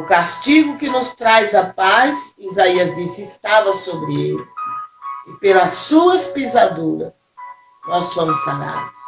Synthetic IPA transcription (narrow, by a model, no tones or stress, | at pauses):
ʊkast͡ʃiɡʊkɪnʊst̪ɾajzɐpajzizaiɐzd̪isɪɪst̪avɐsobɾɪḛlɪ | ɪpelɐsːuɐspizad̪uɾɐ̰s | nɔsːõmʊsana̰d̪ʊs